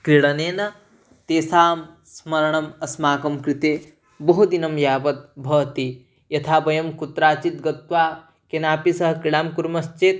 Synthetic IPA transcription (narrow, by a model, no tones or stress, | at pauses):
kɾiɽɐneːnɐ | t̪eːsaːm | smɐɾɐɳɐmɐsmaːkɐmkɾit̪eː | bɐɦud̪inɐmjaːpɐt̪̚bʱɐːt̪i | jɐt̪ʰaːbɐjɐmkut̪ːɾaːt͡ʃit̪̚ɡɐt̪ʋaː | kenaːpisɐɦɐkɾiɽaːmkuɾmɐst͡ʃet̪